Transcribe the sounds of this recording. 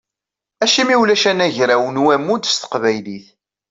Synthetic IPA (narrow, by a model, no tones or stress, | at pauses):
æʃimiwlæʃænæʝɾæwənwæmːud̪st̪ə̥qvæjliθ